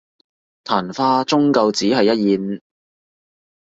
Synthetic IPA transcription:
t̪ʰaː˨˩nfaː˥t͡sʊ˥ŋkɐ˧wt͡siː˨˥ɦɐ˨jːɐ˥t̚jiː˨n

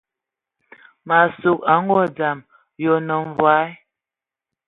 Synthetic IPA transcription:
ma˨su˨ka˨˦ŋ˦ɡɔ˦˨d͡za˨m | jɔ˨nə˨m˨vwa˨˦

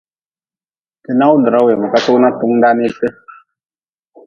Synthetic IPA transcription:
tə˨na˦wndə˨ɾa˦we˨mə˨ka˦so˦ʔna˦tu˦ŋnda˦ni˦tə˦

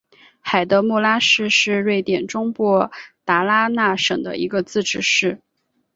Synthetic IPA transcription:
xa˨˩ɪt̪ə˧˥mu˥˩la˥ʂɻ̩˥˧ʂɻ̩˥˧ɻwe˥˩ɪt̪jɛ˨˩nʈ͡ʂʊ˥ŋpwɔ˥˩t̪a˧˥la˥na˥˩ʂɤ̰˨˩ŋd̪ə̰˦ḭ˧˥ɡə˧t͡sɹ̩˥˧ʈ͡ʂɻ̩˥˧ʂɻ̩˥˩

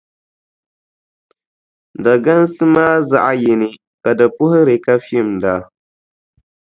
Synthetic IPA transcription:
da˨ɡa˦n˦sɨ˦maː˦za˦ʔa˦jɪ˨nɪ˨ | ka˨da˨pʊ˦hɪ˦ɾɪ˨ka˦fi˦˨mda˨

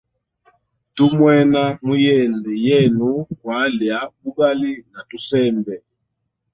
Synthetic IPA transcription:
tu˦mwɛ˦na˦mu˦jɛ˦˨ndɛ˨jɛ˦˨nu˨˦kwa˨˦lja˨˦ku˦ɡa˦li˦na˨tu˦sɛ˦˨mbɛ˨

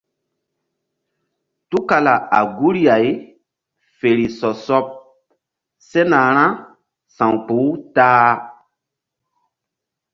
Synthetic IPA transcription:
tu˦ka˨la˨a̰˨ɡu˦ɾi˦a˨j | fe˨ɾi˨sɔ˨sɔ˦p̚ | se˦na˨ɾ̃ã˦ | sã˨ŋk͡pu˨˦taː˦

